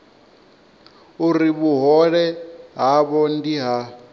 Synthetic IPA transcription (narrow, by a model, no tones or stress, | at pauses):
uɾiβuɦɔɺɛɦaβɔndiɦa